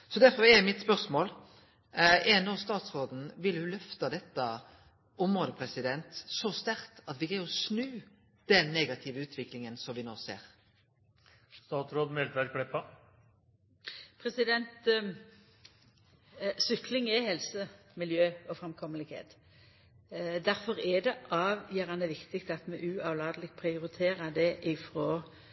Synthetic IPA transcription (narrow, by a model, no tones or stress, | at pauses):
sɔd̪æʁfɔɾɛɾmɪt̪spœʁsmoːl | ɛnoːst̪ɑːt̪sʁoːd̪n̩ʋɪlhʉlœft̪ɑd̪ɛt̪ːə | ɔmʁoːd̪əpʰɾɛsɪd̪ɛnt̪sɔst̪æʁt̪ɑt̪ʋɪɡɛɔsnʉː | d̪̥ɛnːeːɡɑt̪ʰɪʋəʉːt̪ʋɪklɪŋənsɔmʋɪnoːsḛːɾ | st̪ɑːt̪sɾoːd̪mɛlt̪ʋæɾkʰɽɛpːɑ | pʰɾɛsɪd̪ɛnt̪ | sʏklɪŋɛhɛlsəmɪljøːɔfɾɛmkʰɔməlɪɡhḛːt̪ | d̪æɾfɔʁɛd̪ɛʔɑːʋjœːʁɑnəʋɪkt̪ɪɡt̪ɑt̪mɛʔʉːɑʋlɑːd̪əlɪɡpʰʁɪʊɾɪt̪ʰeːɾəd̪ɛʔɪfɾoː